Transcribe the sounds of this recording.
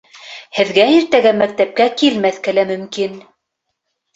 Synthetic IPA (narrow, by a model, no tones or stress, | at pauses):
hɘ̆ðɡæiɾt̪æɡæmæk̚t̪æp̚kækilmæθkɘ̆læmɵ̆mkin